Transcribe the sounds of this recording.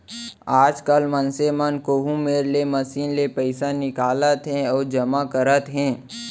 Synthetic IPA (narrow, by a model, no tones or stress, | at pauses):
aːd͡ʒkəlmənsemənkoːɦũmeːɾlemɐsiːnlepɛɪsanɪkaːlət̪ɦɛ̃ɔːɾd͡ʒɐmakəɾət̪ɦɛ̃ː